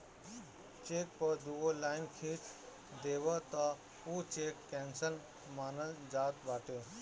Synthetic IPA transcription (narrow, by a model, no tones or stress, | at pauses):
t͡ʃeːk̚pəɾd̪uʋolaːɪnkʰiːt͡ʃ | d̪eːʋat̪a | uːt͡ʃeːkːɛ̃ːnsəl | maːnəld͡ʒaːt̪ʋaːʈeː